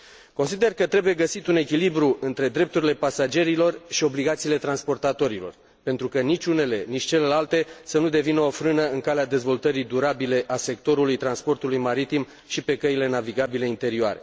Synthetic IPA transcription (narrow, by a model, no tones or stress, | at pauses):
ko̞nsid̪e̞rkət̪ɾe̞buje̞ɡəsit̪une̞kʲilibɾuʔɨnt̪ɾe̞d̪ɾe̞p̚t̪uɾile̞pasad͡ʒe̞ɾilo̞rʃio̞bliɡat̪siːle̞t̪ɾanspo̞rt̪at̪o̞ɾilo̞̰r | pe̞nt̪ɾukənit͡ʃʲune̞le̞nit͡ʃʲt͡ʃe̞le̞lalt̪e̞sənud̪e̞vinəofɾɨnəɨŋkalead̪e̞zvo̞lt̪əɾijd̪uɾabile̞ʔase̞k̚t̪o̞ɾulujt̪ɾanspo̞rt̪ulujmaɾit̪im | ʃipe̞kəile̞naviɡabile̞int̪e̞ɾioa̰ɾe̞